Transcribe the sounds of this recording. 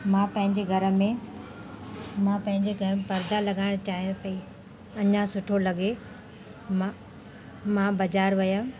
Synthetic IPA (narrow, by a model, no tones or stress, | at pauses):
mãːpɐ̃ɦɪ̃ɲd͡ʑeɡʱɐɾə̆mẽ | mãːpɐ̃ɦɪ̃ɲd͡ʑeɡʱɐɾəepɐɾd̪alɐɡaːɪɽ̃t͡ɕaːɦijpɐi | ɐɲãsʊʈʰolɐɡe | mã | mãːbɐd͡ʑaːɾʋɐjə